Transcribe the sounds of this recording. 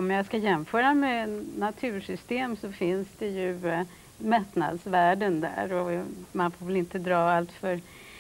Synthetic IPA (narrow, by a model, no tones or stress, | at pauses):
ɔmjaskajɛmfœːɾamɛnat̪ʰʉ̟ːʂʏst̪eːmsɔfɪnsd̪ɛjɵ | mɛt̪na̰d̪svæːɖənd̪æ̰ːɾɔmanfoːɾvɛlɪnt̪əd̪ɾɑːalt̪fœɾ